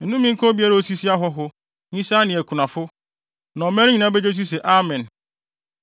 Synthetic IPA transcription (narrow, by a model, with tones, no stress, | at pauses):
n̩˨nũ˦mĩ˦ŋ̩˦kʰɔ̃˦bi˦a˦ɾa˨o˦si˦si˦a˦ɦɔ˦ɦʊ˦ | ɲĩ˦sa˦nɪ̃˨ɛ˨kʰu˨nã˨fʊ˦ | nã˨ɔ˨mɛ̃˦ɾɲĩ˨nã˦be˦d͡ʑe˦s̬i˦s̬ɛ˨ʔa˦mɛ̃˨n